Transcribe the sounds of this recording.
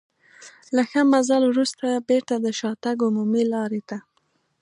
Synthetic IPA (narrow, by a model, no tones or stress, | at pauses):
laxəmazalwɾust̪abeɾt̪ad̪əʃɑt̪aɡʊmumilɑɾet̪a